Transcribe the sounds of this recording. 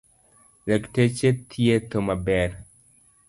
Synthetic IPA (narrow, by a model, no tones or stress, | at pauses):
lektet͡ʃet̪ʰjet̪omabɛɾ